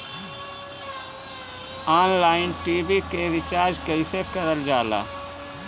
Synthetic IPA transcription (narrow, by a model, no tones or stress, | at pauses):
aːnlaːɪnʈiːbikeɾɪt͡ʃaːɾd͡ʒkəisekəɾəld͡ʒaːla̰ː